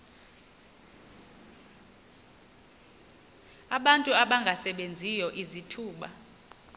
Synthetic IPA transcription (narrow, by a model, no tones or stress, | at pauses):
aɓantʼuaɓaŋɡʱasɛɓend͡zʱijɔʔizitʰuːɓa̰